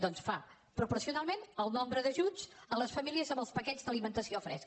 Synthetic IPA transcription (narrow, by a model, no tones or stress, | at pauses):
d̪ɔnsfa | pɾupuɾsiunalˠmenəlˠnɔmbɾəðəʒut͡sələsfəmiliəzəmbəlˠspəkɛzd̪əlimənt̪əsiofɾɛ̰sk